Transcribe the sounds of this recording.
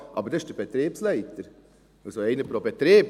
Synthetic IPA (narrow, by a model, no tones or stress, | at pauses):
ʔɑ̰bəɾdɛɪʃd̥əbet̪ɾeːpslæɪt̪əɾ | ɑlsoɛɪnəpɾobet̪ɾeːp